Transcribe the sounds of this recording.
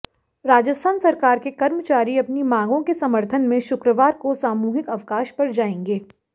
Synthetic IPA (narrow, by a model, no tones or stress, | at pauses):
ɾaːd͡ʒəst̪ʰaːnsɐɾkaːɾkekɐɾmət͡ʃaːɾiɐpnimãːŋɡõkesɐməɾt̪ʰənmẽʃʊkɾəʋaːɾkosaːmuːɦɪkɐʋkaːʃpɐɾd͡ʒaːẽːŋɡeː